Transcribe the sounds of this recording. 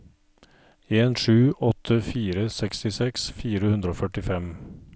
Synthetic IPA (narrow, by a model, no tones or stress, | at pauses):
eːnʂʉːʔɔt̪ʰəfiːɾəsɛkst̪ɪsɛksfiːɾəhʉnd̪ɾoːfœʈɪfɛm